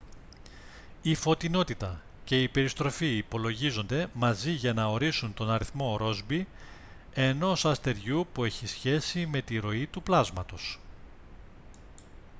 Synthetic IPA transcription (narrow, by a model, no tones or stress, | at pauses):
ifo̞t̪ino̞t̪it̪ɐ | ce̞iːpe̞ɾist̪ɾo̞fiːpo̞lo̞ʝizo̞nd̪e̞mɐziʝɐnɐo̞ɾisunt̪o̞nɐɾiθmo̞ɾo̞zbi | e̞no̞sɐst̪e̞ɾʝupue̞çisçe̞sime̞t̪iɾo̞it̪uplɐzmɐt̪o̞s